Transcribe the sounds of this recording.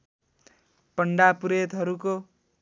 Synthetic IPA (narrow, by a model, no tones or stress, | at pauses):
pʌɳɖapuɾet̪ɦʌɾuko